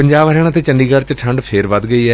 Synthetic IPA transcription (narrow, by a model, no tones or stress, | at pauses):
əɲd͡ʒaːbɦəɾeaːñːt̪eːt͡ʃənɖiːɡəɾt͡ʃəʈʰəɳɖpʰeːɾʋəd̪ɡəiːɛː